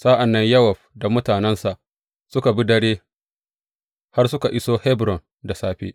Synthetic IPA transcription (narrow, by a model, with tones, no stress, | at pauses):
saː˦ʔa˨nːɐ˦ɲjɐ˦wɐ˨ɸ̚da˨mʊ˦taː˨nɛ˦nsa˨ʔ | sʊ˦ka˨bi˦dɐ˦ɽeː˦ | ha˦rsʊ˦ka˨ʔɪ˦soː˦hɛ˦bɾɔ˨n | da˨saː˦ɸḛː˦